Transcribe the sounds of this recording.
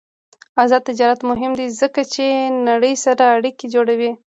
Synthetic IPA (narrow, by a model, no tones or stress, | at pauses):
azɑd̪̚t̪ɪd͡ʒɑɾat̪mʊɦɪmd̪izəkat͡ʃenaɽəjsaɾaːɽiked͡ʒoɽawi